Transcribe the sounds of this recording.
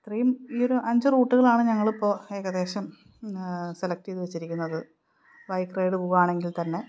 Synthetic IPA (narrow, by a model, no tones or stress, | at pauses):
ɐt̪rɐjumiːo̞ɾuʔɐɲd͡ʑɨruːʈːuɣɐɭaːɳɨɲɐŋːɐɭipːo̞ːe̞ːɣɐðe̞ːɕɐm | se̞lɐk̚tiðʋet͡ɕːiɾikʲːunːɐðɨ | ʋɐjkrejɽɨpuɣaːɳe̞ŋɡilt̪ɐnːe̞